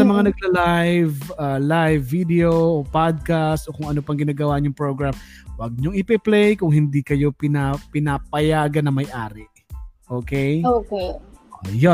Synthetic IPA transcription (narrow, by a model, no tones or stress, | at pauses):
sɐmɐŋanɐɡ̚lɐlajvalajvːid̪ɛoʔopad̪̚kast̪ʔo̞kʊŋɐnopɐŋɡɪnaːɡɐwaɲʊŋpɹoɡɹamwɐɡ̚ɲoŋɪpɛplɛjkʊŋhɪnd̪ikɐjo̞pɪnapɪnapɐjaːɡɐnɐŋmɐjʔaːɾɪ | ʔoːkɛjokeʔojo